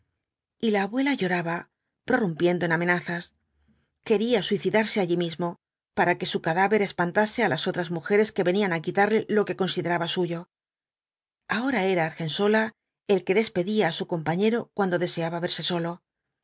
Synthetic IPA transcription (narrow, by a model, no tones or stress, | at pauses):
ilaːβwe̞laʝo̞ɾaβa | pɾo̞rumpje̞nd̪o̞ename̞naθas | ke̞ɾiaswiθiðaɾse̞aʎimizmo̞ | paɾake̞sukaðaβe̞ɾe̞spant̪ase̞alaso̞t̪ɾazmuxe̞ɾe̞ske̞βe̞nianakit̪aɾle̞lo̞ke̞ko̞nsiðe̞ɾaβasuʝo̞ | ao̞ɾae̞ɾaːɾxe̞nso̞la | elke̞ðe̞spe̞ðiaːsuko̞mpaɲe̞ɾo̞kwand̪o̞ðe̞se̞aβaβe̞ɾseso̞lo̞